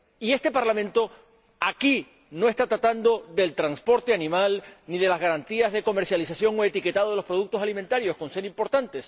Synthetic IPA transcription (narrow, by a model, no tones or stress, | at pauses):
ie̞st̪e̞paɾlamẽ̞nt̪o̞ | aki | no̞e̞st̪at̪ɾat̪and̪o̞ðe̞lt̪ɾanspo̞ɾt̪e̞anĩmalniðe̞lazɣaɾant̪iazðe̞ko̞me̞ɾsjalisasjo̞ŋoet̪ike̞t̪að̞o̞ðelospɾo̞ðuk̚t̪osaliment̪aɾjo̞sko̞nseɾimpo̞ɾt̪ant̪e̞s